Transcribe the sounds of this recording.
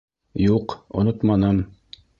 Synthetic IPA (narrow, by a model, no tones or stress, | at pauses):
juqŏ̰not̪mɑnɤm